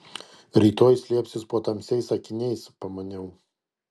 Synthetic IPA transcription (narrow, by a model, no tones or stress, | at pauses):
ɾʲiːt̪oːjsʲlʲiɛpʲsʲɪspoːt̪ɐmʲsʲɛɪsɐkʲɪnʲɛɪspɐmɐnʲɛʊ